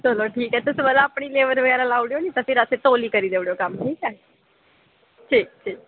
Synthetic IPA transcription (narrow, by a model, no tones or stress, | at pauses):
t͡ʃəloʈʰiːkɦɛːt̪ʊsũbəlaːpɽ̃iːleːʋəɾʋəɡɛːɾalaːuɽjonĩt̪afɪɾəset̪oːliːkəɾiːd̪eːʋɽjoːkɐmʈʰiːkɦɛː | ʈʰiːk̚ʈʰiːk̚